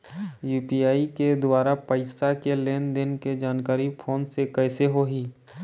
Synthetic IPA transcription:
juːpiaːiked̪ʊaːɾapəɪsakeleːnd̪ɪnked͡ʒaːnkaːɾipʰoːnsekɛːseɦoɦiː

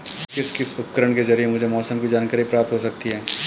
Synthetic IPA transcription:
kɪskɪsʊp̚kəɾəɽ̃kezɐɾiemʊd͡ʒʱemɔːsəmkid͡ʒaːnkəɾipɾaːp̚t̪ɦosɐk̚t̪iɦɛː

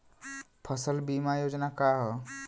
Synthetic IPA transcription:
pʰʌsəlbimajod͡ʒnakaɦɔ

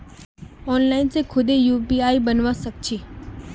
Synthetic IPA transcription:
ɔːnlaːɪnsekʰʊd̪ejuːpiaːibənʋasək̚t͡ʃʰiː

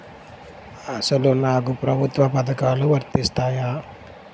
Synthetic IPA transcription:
ɐsɐlunaːkupɾɐbʱut̪ʋɐpɐd̪ɐkaːluʋɐɾt̪ist̪aːjaː

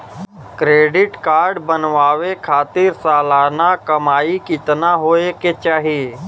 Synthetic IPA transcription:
kɾeːɖɪʈkaːɾɖbənʋaːwekʰaːt̪ɪɾsaːlaːnakəmaːikɪt̪naɦoːeket͡ʃaːɦijeː

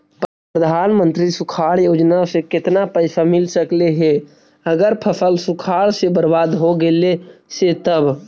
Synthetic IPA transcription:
p | pɾəd̪ʱaːnmə̃nt̪ɾisʊkʰaːɽjoːd͡ʒnasekɪt̪napəɪsamɪlsəkleɦɛ | əɡəɾpʰəsəlsʊkʰaːɽsebəɾbaːd̪ɦoɡeleset̪əb

